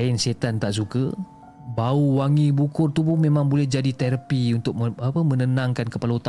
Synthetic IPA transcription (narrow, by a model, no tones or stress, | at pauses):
ɪnset̪ant̪aʔs̬ukə | bauwaŋibukʊrt̪upʊnmẽmãŋbolɛhd͡ʒadit̪eɾəpiunt̪ʊk̚apəmə̃nənãŋkankəpalaut̪a